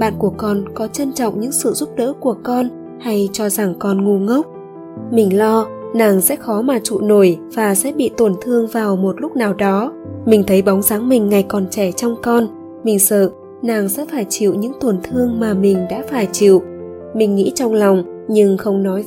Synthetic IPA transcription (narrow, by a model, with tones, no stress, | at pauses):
ɓa̰ː˧˨nku˧˩əkɔ˧nkɔ˨˦t͡ɕə˧nt͡ɕɔ̰˧˨wŋ͡mɲɨ̰˧˥ŋsɨ̰˧˨zu˦˥p̚ɗə̰ː˧˥ku˧˩əkɔ˧n | ha˧jt͡ɕɔ˧za˨˧˩ŋkɔ˧nŋu˧ŋə˦˥wk͡p̚ | mï˨˩ŋ̟lɔ˧naː˨˩ŋsɛ̰˧˥xɔ˨˦maː˨˩t͡ɕṵ˧˨no˧˩jvaː˨˩sɛ̰˧˥ɓḭ˧˨t̪o˨˩nt̪ʰɨ˧əŋvaː˨˩wmo˨˩t̚lʊ˦˥k͡p̚naː˨˩wɗɔ˨˦mï˨˩ŋ̟t̪ʰə˨˦jɓɔ˨˦wŋ͡mzaː˨˦ŋmï˨˩ŋ̟ŋa˨˩jkɔ˨˩nt͡ɕɛ˧˩t͡ɕɔ˧wŋ͡mkɔ˧n | mï˨˩ŋ̟səː˧˨ | naː˨˩ŋsɛ̰˧˥faː˧˩jt͡ɕḭ˧˩˨wɲɨ̰˧˥ŋt̪o˨˩nt̪ʰɨ˧əŋmaː˨˩mï˨˩ŋ̟ɗa̰ː˧˥faː˧˩jt͡ɕḭ˧˩˨w | mï˨˩ŋ̟ŋḭ˧˥t͡ɕɔ˧wŋ͡mlɔ˨˩wŋ͡m | ɲɨ˧ŋxə˧wŋ͡mnɔ˨˦j